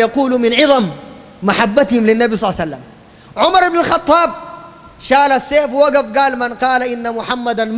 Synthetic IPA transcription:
jɑquːlmɪnʕɪðˤɑmː | aħabːat̪himlinːabisˤɑlːsalːam | ʕʊmɑɾˤɪbnalxɑt̪ˤːɑːb̚ | ʃaːlasːeːfwaɡafɡaːlmanqɑːlaʔɪnːamʊħamːad̪anm

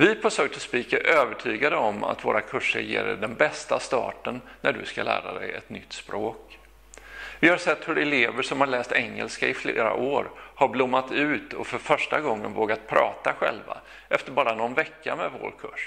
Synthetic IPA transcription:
vɪfɔsøːk̚t̪ʰɔspiːkaʔøːvəʈʰyːɡad̪əɔma̰t̪voːɾakʰɵʂə̰ɾjḛːɖɛɖɛnbɛst̪ast̪ɑ̰ːʈənːæɖɵ̰skalæ̰ːɾad̪ɛjɛt̪nʏt̪ːspɾoːk | vɪhaɾʂɛt̪ːhɵɾɛleːvəʂɔmhaɭɛːst̪ɛŋːɛ̰lskaɪfleːɾa̰ʔoːɾhaɾblʊmːat̪ʉ̟ːt̪ɔfœɾfœʂʈaɡɔŋːənvoːɡat̪̚pʰɾɑːt̪aɧɛ̰lva | ʔɛft̪əɾbɑːɾanɔnvɛkːamɛvo̰ːɾkʰɵʂ

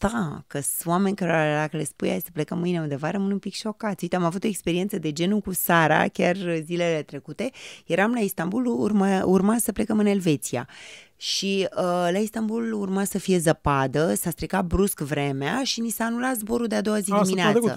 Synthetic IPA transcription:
d̪̥akəwame̞nʲkaɾealakəlespuja̰jsə̥ple̞kəmːɨjneund̪evaɾəmɨnunpikʃo̞kat̪sʲuit̪eamavut̪o̞ekspeɾie̞ntsəd̪e̞d͡ʒe̞nukusaɾa̰kʲarzile̞le̞t̪ɾe̞kut̪e̞je̞ɾamlaist̪ambulurmaurmasəple̞kəmɨne̞lve̞t̪sia̰ʃiəlaist̪ambulurmasəfije̞zəpad̪əsast̪ɾikat̪̚bɾuskvɾe̞meaʃinisaːnulat̪zbo̞ɾuld̪ead̪o̞wazidiminet̪ə

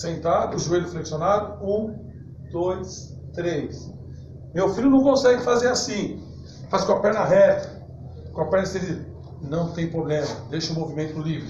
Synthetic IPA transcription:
sẽnt̪ad̪ʊʊʒuelʊfleksjonad̪ʊũ | d̪̥ojs | t̪ɾejs | mewfilʊnɐ̃w̃kõsɛɡɪfazeɾasĩ | fazkõɐpɛɾnɐɦɛt̪ɐ | kõɐpɛɾnɐseɾi | nɐ̃w̃t̪ẽj̃pɾoblẽmɐd̪ejʃɐʊmovimẽnt̪ʊd̪ʊlivɾʊ

